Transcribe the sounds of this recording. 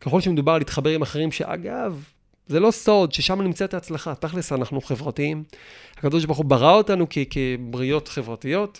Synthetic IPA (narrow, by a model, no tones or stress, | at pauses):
keχo̞lʃemed̪ubaʁalitχabe̞ʁimaχeʁimʃḛʔa̰ɡav | zelo̞so̞dʃe̞ʃamanimt͡saetaːt͡slaχataχlesanaχnuχe̞vʁatiimhakadoʃ̬baʁχubaʁao̞tanukekebʁijo̞tχe̞vʁatijo̞t